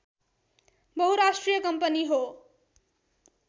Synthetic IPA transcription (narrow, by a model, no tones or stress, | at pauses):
bʌɦuɾasʈrijʌkʌmpʌniɦo